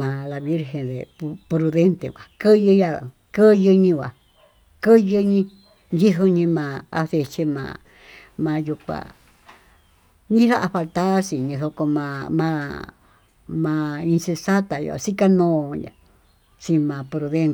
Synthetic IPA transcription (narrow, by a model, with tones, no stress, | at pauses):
mã˨˧la˧βi˦ɾɦe˧nðḛ˨˧pɾu˧ðe˦nt̪ḛ˨˧kʷa˨kɨ˦jɨ˧ja˧˨ | kɨ˦jɨ˧ɲĩ˧kʷa̰˨ | kɨ˦jɨ˧ɲĩ˧ | nd͡ʒi˦ɦu˧ɲĩ˧mã˧a̰˧se˧t͡ʃe˧mã̰ː˧ | mã˧ju˧kʷa̰˧ | ɲĩ˦ha˦ʔa˧fa˧lt̪a˦si˨ɲĩ˧so˧ko˧mã˧mã˧ | mã˧i˧nse˧sa˦t̪a˨jo̰˧a̰˧si˦ka˦nõː˦˧jã̰˨ | si˧mã˧pɾu˧ðe˦n